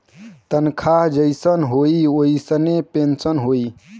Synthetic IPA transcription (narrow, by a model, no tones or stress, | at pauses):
t̪ənkʰaɦd͡ʒəjsənɦoioisənepensənɦoi